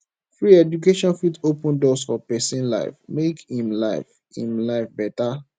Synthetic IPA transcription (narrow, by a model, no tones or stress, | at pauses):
fɹiɛdukeʃɔ̃nfitopə̃ndɔsfɔpɛsĩnla̰ɪfmekhĩmlaɪf | hḭ̃mlaɪfbɛta